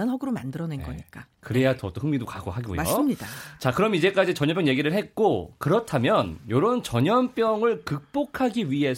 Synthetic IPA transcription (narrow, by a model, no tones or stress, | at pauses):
anɦʌɡɯɾomandɯɾʌnenɡʌ̰ɲik͈akɯɾe̞jatʌt͈oɸɯŋmidokaɡo̰ɦaɡɡo̰jo̰ɯmɲiat͡ɕakɯɾʌmid͡ʑe̞k͈ad͡ʑit͡ɕʌɲʌmpjʌŋjeɡiɾɯɭɦe̞t̚k͈okɯɾʌtʰamjʌnjoɾont͡ɕʌɲʌnp͈jʌŋɯɭkɯk̚p͈okʰaɡiɥiɦe̞s